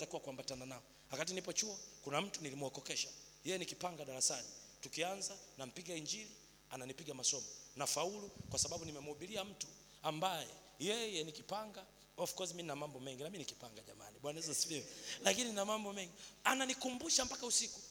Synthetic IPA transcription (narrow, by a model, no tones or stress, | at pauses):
takiwakuambatananaɔ | wakatinipɔt͡ʃuɔkunam̩tunilimwakɔkɛʃḁ | jɛjɛnikipaŋɡaɗaɾasanitukianzanam̩piɡaiɲd͡ʒili | ananipiɡamasɔmɔnafaulukwasaɓaɓunimɛmuuɓiliam̩tu̥ | ambajɛ | jɛjɛnikipaŋɡa | ɔfu̥kɔsiminamambɔmɛŋɡinaminiki̥paŋɡaʄama̰niɓwanazasiliwɛlakininamambɔmɛŋɡiananikumbuʃam̩pakausiku̥